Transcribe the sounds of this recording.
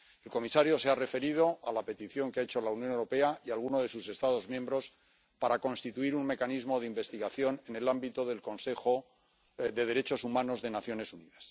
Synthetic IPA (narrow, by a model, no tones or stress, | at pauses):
e̞lko̞misaɾjo̞se̞are̞fe̞ɾið̞o̞ʔalape̞t̪iθjo̞ŋkeaet͡ʃo̞launjonewɾo̞pe̞aialɣ̞uno̞ð̞e̞suse̞st̪aðo̞zmjẽ̞mbɾo̞s | paɾako̞nst̪it̪uiɾuŋme̞kanizmo̞ðeimbe̞st̪iɣaθjo̞ne̞ne̞lambit̪o̞ðe̞lko̞nse̞xo | ðe̞ðe̞ɾe̞t͡ʃo̞sumãno̞zðe̞naθjo̞ne̞suniðas